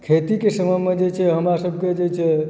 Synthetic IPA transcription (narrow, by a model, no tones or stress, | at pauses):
kʰet̪ikesəməjmed͡ʒet͡ʃʰɛɦəmɾasəbʱked͡ʒet͡ʃʰɛ